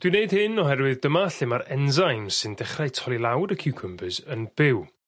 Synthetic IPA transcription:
d̥wineɨd̥̚hɨnɔhɛrwɨðd̥əmaɬɪmaɾɛnzajmsɨndɛχrajtʰɔlˠilˠawdəkʰɪwkʰəmbɨzənb̥ɪw

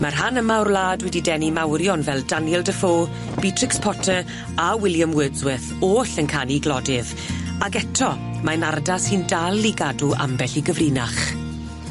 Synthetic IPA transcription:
marɦanəmarlaːdwɛdidɛnimawɾjɔnvɛlˠdanjɛlˠdəfoː | b̥itʰrɪkspʰɔtʰə | awɪljamwɪdzwɪθoːɬənkʰaniɡlˠɔdɪð | aɡɛtʰɔ | manardasɨndalˠiɡaduʔa̰mbɛɬiɡəvriːnaχ

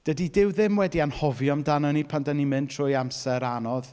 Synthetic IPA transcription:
d̥ədidɪwðɪmwɛdianhɔvjɔmdanənipʰandənimɨntʰr̥ʊjamsɛɾanɔð

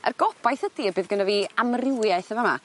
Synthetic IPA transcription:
ə̰rɡɔb̥ajθədiːbɨːðɡənaviːamrɪwjajθəvama̰

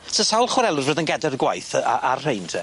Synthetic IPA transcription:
sʰəsawlˠχwɛɾɛlˠʊrvəːðənɡɛdarɡwajθa̰arr̥ejntʰɛ

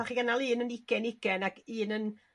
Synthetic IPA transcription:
aχiɡanalˠiːnənɪɡ̥ɛnɪɡɛnaɡ̥ɨːnən

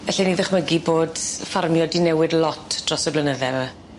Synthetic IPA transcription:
ɛɬɛniðɪχməɡiboːdfarmjɔdinɛwɪdlˠɔtʰd̥rɔsɔɡlənəðɛvə

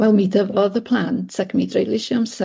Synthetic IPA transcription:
wɛlˠmidəvɔðəpʰl̥ˠantʰakʰmiːdrejlˠɪʃams

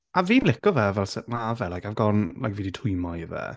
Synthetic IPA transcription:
aviːnlɪkɔvɛvɛlˠsɛtnavɛlajkavɡɔnla̰jkviːditʰʊɨmɔjvɛ̰

